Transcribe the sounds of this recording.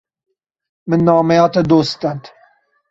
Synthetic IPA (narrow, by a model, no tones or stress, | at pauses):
mɨnːɑːmɛjɑːt̪ɐd̪oːst̪ɐnt̪